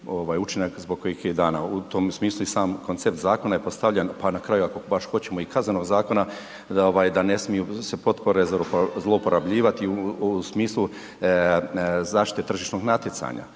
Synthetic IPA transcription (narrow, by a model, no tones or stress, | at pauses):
o̞ʋaːjut͡ʃinakzboɡkːojixed̪aːna̰ut̪omsmiːslˠuisaːmko̞nt̪se̞p̚t̪zaːko̞najepo̞st̪aʋʎanpanakɾaːjuako̞baʃxo̞t͡ɕe̞mo̞ikazneno̞ɡzaːko̞na | oʋaːjd̪ane̞smijusepo̞t̪po̞ɾezzlˠo̞upo̞ɾʔabʎiːʋat̪iusmiːslˠu | zaːʃt̪i̥t̪e̞t̪r̩ʒiʃnoɡnat̪jet̪sa̰ɲa̰